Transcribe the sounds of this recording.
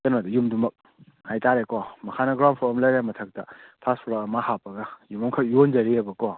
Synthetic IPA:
tɐnadɐjumdumɐk̚ | hajtaɾekɔmɐkʰanɐɡɾawnpʰoɐmlɐɾemɐtʰɐk̚tɐ̰pʰaspʰɔɾakɐmahapːɐɡɐjumɐmkʰɐk̚jond͡ʒɐɾiebɐkɔ

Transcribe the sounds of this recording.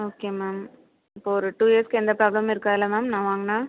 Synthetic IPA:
oːkeːmaːm | ɪpːoːɔɾɯʈuːjeːɾskɯɛnd̪ɐpɾaːblɐmɪɾɯkːaːðɪlɐmaːmnãːʋaːŋɡɐnaː

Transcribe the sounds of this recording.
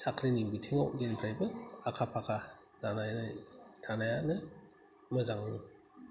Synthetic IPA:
sʰakʰɾiniŋbitʰiŋawɡenpʰɾajbɯakʰapʰakʰa | zanajnatʰanajanɯ | mɯzaŋɯ

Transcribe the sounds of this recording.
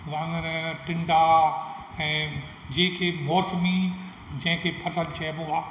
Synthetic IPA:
ɾãŋəɾʈɪ̃ɳɖa | ɛ̃ː | d͡ʑẽːkʰeboːɾsmi | d͡ʑɐ̃ɦɪ̃kʰepʰɐsəlt͡ʃʰɛːboaː

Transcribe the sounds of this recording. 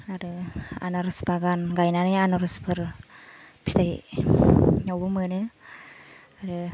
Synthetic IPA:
aɾɯa̰nɔɾɯsbaɡanɡajnanɯanɔɾɯspʰɯɾ | pʰi̥taj | ɲɔwbɯmɯnɯ | aɾɯ

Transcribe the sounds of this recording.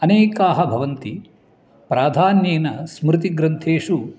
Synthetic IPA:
ɐneːkaːɦɐbʱɐʋɐnt̪i | pɾaːd̪ʱaːnjeːnɐsmɾɪt̪iɡɾɐnt̪ʰeːʂu

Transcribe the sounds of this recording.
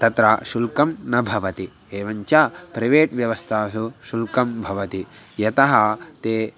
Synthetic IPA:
t̪ɐt̪ɾaʃulkɐmnɐbʱɐʋɐt̪i | eːʋɐɲt͡ʃapɾɐʋeːʈʋjɐʋɐst̪ʰaːsuʃulkɐmbʱɐʋɐt̪i | jɐt̪ɐɦɐt̪eː

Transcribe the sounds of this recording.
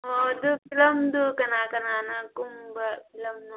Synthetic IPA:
od̪upilɐmd̪ukɐnaːkɐnaːnakumbɐpilɐmnu

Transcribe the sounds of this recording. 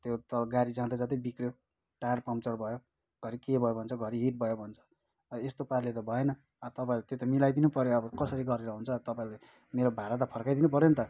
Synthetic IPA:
t̪jot̪ʌɡaɾid͡zãd̪ad͡zʌt̪ʌbikɾjo | ʈajrpʌmt͡sʌrbʱʌjo | ɡ̥ʱʌɾikebʱʌjobʱʌnt͡sʰʌɡʱʌɾiɦiʈ̚bʱʌjobʱʌnt͡sʰʌ̥ | ʌest̪opaɾlet̪̬ʌbʱʌenʌː | t̪ʌpaĩlt̪jot̪ʌmilajd̪inupʌɾjoʌbʌkʌsʌɾiɡʌɾeɾʌɦunt͡sʰʌt̪ʌpaĩle | meɾobʱaɾat̪̬ʌpʰʌrkajd̪inup̬ʌɾjont̪ʌ

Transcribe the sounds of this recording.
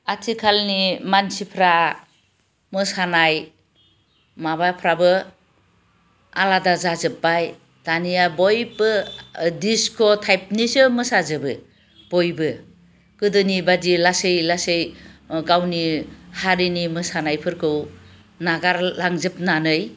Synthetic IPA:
atʰikʰalnimansipʰɾa | mɯsanaj | mabapʰɾabɯ | aladazazɯp̚ːaj | tanijabɔjbɯdiskʰɔtʰajp̚nisɯmɯsazɯbɯ | b̥ɔjbɯ | kɯdɯnibadilasɯjlasɯjɡawnihaɾinimɯsanajpʰɯɾkʰɯw | naɡaɾlaŋzɯp̚nanɯj

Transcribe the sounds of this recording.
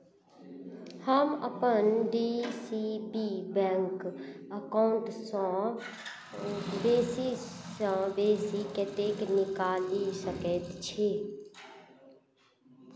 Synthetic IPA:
həməpənɖiːsibiːbɛ̃ːŋkəkaʊɳʈsã | beːsisãːbeːsiket̪eːknɪkaːld̪isəket̪t͡ʃʰe

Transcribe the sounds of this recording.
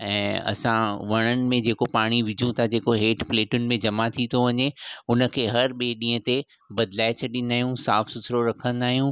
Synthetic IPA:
ɛ̃ːɐ̰sãʋɐɽ̃ənɪ̆mẽd͡ʑeːkopaːɽ̃iʋɪd͡ʑʱũt̪ʰad͡ʑeːkoɦeːʈpleːʈʊnɪ̆mẽd͡ʑɐmat̪ʰit̪ʰoʋɐɲeʊnə̆kʰeːɦɐɾɓeɗĩːə̃t̪e | bɐd̪laːɪet͡ɕʰɐɗĩnd̪aːɦijũsaːfsʊsʰɾoɾɐkʰə̃n̆d̪aːɦijũː

